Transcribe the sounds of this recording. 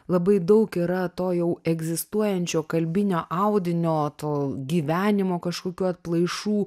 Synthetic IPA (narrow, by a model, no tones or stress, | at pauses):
lˠɐbɐɪd̪ɐʊkiɾɐt̪oːjɛʊɛɡzʲɪst̪uɔjɛnʲt͡ʃʲoːkɐlʲbʲɪnʲoːʔɑʊd̪ʲɪnʲoːt̪oːɡʲiːʋʲæːnʲɪmoːkɐʃkoːkʲuːɐt̪̚plˠɐɪʃuː